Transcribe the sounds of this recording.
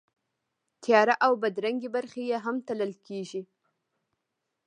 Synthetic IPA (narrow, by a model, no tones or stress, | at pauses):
t̪ʰjɑɾaʔawbad̪ɾaŋɡibaɾxejeɦamt̪aləlkʰeʒi